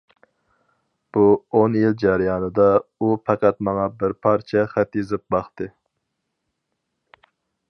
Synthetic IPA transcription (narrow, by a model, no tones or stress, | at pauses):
b̥uonjild͡ʒæɾɪjɑːnɨd̪ɑupʰɛqæt̪mɑŋɑbɪɾpʰɑɾt͡ʃʰɛχæt̪jizɪp̚bɑχt̪ɨ